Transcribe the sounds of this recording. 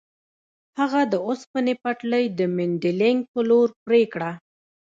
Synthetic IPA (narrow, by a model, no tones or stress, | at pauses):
haɣad̪əospənepaʈləjd̪əmɪɳɖɪlɪŋɡ̚pəloɾpɾekɽa